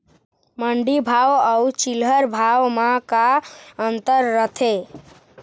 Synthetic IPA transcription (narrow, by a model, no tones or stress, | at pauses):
məɳɖibʱawəut͡ʃilɦəɾbʱawmakaənt̪əɾːət̪ʰe